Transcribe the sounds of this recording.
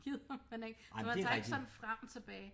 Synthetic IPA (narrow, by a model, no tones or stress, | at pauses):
ɡ̥ið̰ˠmeneɡ̥ | mæsɑ̈ɡ̥sɒ̽n̩fʁam̰t͡sʰe̝b̥ɛː